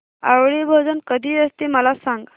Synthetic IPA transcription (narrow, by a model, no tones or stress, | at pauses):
a̰wɭebʱəd͡zənkəd̪ʱiːəst̪eməlasãŋɡ